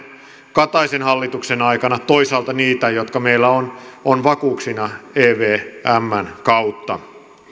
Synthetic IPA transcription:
kɑt̪ɑisenhɑlːit̪uksenɑikɑnɑt̪o̞isɑːlt̪ɑniːt̪æjot̪kɑmeilːæononʋɑkuːksinɑeːʋeːʔæmːænkɑut̪ːɑ

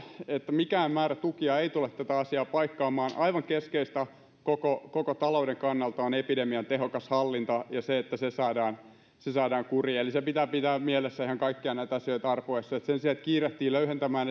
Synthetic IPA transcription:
et̪ːæmikæːmmæːræt̪ukiɑeit̪ulet̪t̪æt̪æɑsiɑːpɑikːɑːmɑːnʔɑiʋɑŋkeskeist̪æ | kokokokot̪ɑloudeŋkɑnːɑlt̪ɑonepidemiɑnt̪eɦokɑshɑlːint̪ɑjɑseet̪ːæsesɑːdɑːn | sesɑːdɑːŋkurielisepit̪æːpit̪æːmielesːæihæŋkɑikːiɑnæit̪ɑsiøit̪ɑrpoisːɑet̪sensiæt̪kiːret̪ːiːløyhent̪æmæːn

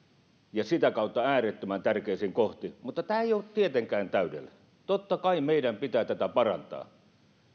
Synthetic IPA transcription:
jɑsit̪ækɑˑut̪ːɑæːret̪ːømænt̪ærkeˑisiŋkoht̪imut̪ːɑt̪æːeˑijoːˑt̪t̪iet̪eŋkæːnt̪æydḛlː | t̪ot̪ːɑkɑimeˑidæmpit̪æːt̪æt̪æpɑrɑ̰nt̪ɑ̰ː

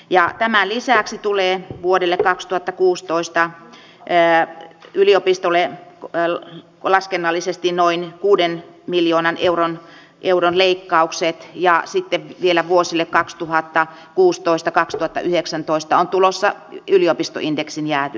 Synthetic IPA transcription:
jɑt̪æmælisæˑksit̪uleːʋuodelːekkɑkst̪uhɑt̪ːɑkuːst̪oist̪ɑ | yliopist̪olːˑe | lɑskenːɑlːisest̪innoinkuːdenmiljoːnɑneuron | ʔeuɾonleikːɑukset̪jɑsit̪ːeʋʋielæʋuosilːekkɑkst̪uhɑt̪ːɑ | kuːst̪oist̪ɑkɑkst̪uhɑt̪ːɑ̰ʔyheksænt̪oist̪ɑont̪ulosːɑyliopist̪o̰ʔindeksinjæːt̪y

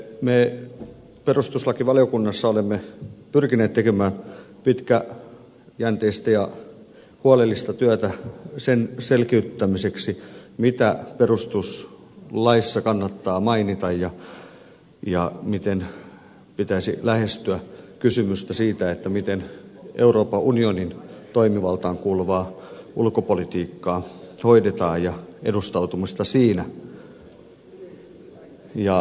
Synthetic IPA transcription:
meː | perust̪uslɑkiʋɑliokunːɑsːɑolemːepyrkineːt̪t̪ekemæːn | pit̪kæ | jænt̪eist̪æjɑ | huɑlelːist̪ɑt̪yæt̪æsenselkeyt̪ːæmiseksimit̪æperust̪us | lɑisːɑkɑnːɑt̪ːɑːmɑinit̪ɑjjɑ | jɑmit̪en | pit̪æisḭlæhest̪yækysymyst̪æsiːt̪æet̪ːæmit̪enʔeuroːpɑʔunionint̪oimiʋɑlt̪ɑːŋkuːlʋɑːʔulkopolit̪iːkːɑːhoidet̪ɑːjjɑʔḛdust̪ɑut̪umist̪ɑsiːnæ | jɑ

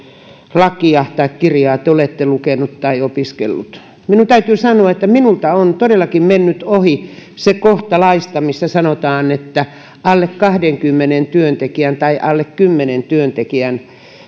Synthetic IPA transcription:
lɑkiɑht̪ɑekkirjɑːt̪eolet̪ːelukenut̪t̪ɑiopiskḛlːṵt̪ | minunt̪æyt̪yːsɑnoɑet̪ːæminult̪ɑont̪odelːɑkimmenːyt̪ohisekoht̪ɑlɑist̪ɑmisːæsɑnot̪ɑːnet̪ːæ | ɑlːekkɑhdeŋkymːenent̪yønt̪ekiænt̪ɑiʔɑlːekkymːenent̪yønt̪ekiæn

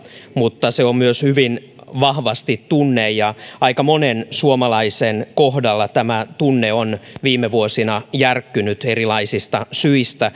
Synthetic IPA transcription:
mut̪ːɑseommyøshyʋin | ʋɑhʋɑst̪it̪tunːejjɑɑikɑmonensuomɑlɑisenkoɦdɑlːɑt̪æmæt̪unːeonʋiːmːeʋuosinɑjærkːynyt̪erilɑisist̪ɑsyist̪æ

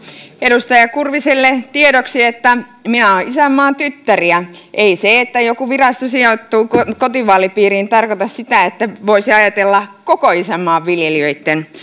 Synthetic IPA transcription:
eɾust̪ɑjɑkurʋiselːet̪ieɾoksiet̪ːæminæoːʔisæmːɑːnt̪yt̪ːæriæʔeiseet̪ːæjokuʋirɑst̪osiot̪ːuːkokot̪iʋɑːlipiːriːnt̪ɑrkot̪ɑssit̪æet̪ːæʋoisiɑjɑt̪elːɑkokoisæmːɑːʋʋiljeliøit̪ːen

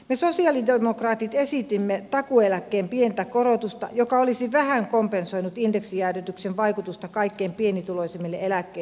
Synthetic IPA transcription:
mesosiɑlidemokrɑːt̪it̪esit̪imːet̪ɑkuelækːeːmpient̪ækorot̪ust̪ɑ̰jokɑolisiʋæhæŋkompensoinut̪ind̥eksijæyryt̪yksenʋɑikut̪ust̪ɑkɑikːeːmpienit̪uloisemːelːeelækːei

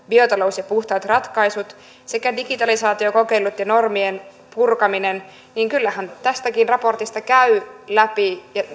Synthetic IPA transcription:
biot̪ɑlousjɑpuht̪ɑːt̪rɑt̪kɑisut̪ | sekædiɡit̪ɑlisɑːt̪iokokeilːut̪jɑnormien | purkɑminen | niːŋkylːæhænt̪æst̪ækinrɑpo̞rt̪ist̪ɑkæylæpijɑ

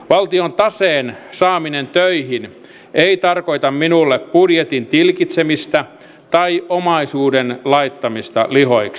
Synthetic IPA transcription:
ʋɑlt̪iont̪ɑseːnsɑːminent̪øihin | eit̪ɑrko̞it̪ɑmminulːeppudjet̪int̪ilkit̪semist̪æ | t̪ɑiomɑisuːdenlɑit̪ːɑmist̪ɑ̰liɦoiks

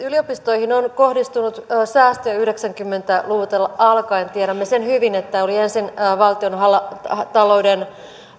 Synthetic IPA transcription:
yliopist̪o̞ihinonkohdist̪unut̪ːsæːst̪øjæyhdeksæŋkymːe̞nt̪æluʋut̪elːɑɑlkɑint̪iɛɾæmːesenhyʋinet̪ːæoliensinːʋɑlt̪ionɦɑlt̪ɑlo̞uden

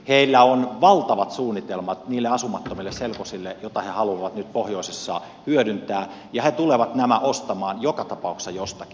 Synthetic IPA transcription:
heilːæonʋɑlt̪ɑʋɑt̪suːnːit̪elmɑt̪niːlːeɑsumɑt̪ːomilːesselkosilːejot̪ɑhehɑluɑʋɑt̪nyt̪̚pohjoˑisesːɑ̰ | hyøɾynt̪æː | jɑhet̪uleʋɑt̪næmæʔost̪ɑmɑːnjokɑt̪ɑpɑˑuksɑjost̪ɑki̥

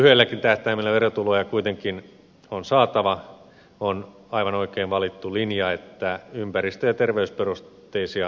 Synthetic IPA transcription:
yhelːækint̪æht̪æimilːæʋerot̪ulojɑkuit̪eŋkin | onsɑːt̪ɑʋɑ | on | ɑiʋɑnoikeːnʋɑlit̪ːulinjɑet̪ːæympærist̪øjɑt̪erʋeysperustt̪ːˑeisiɑ

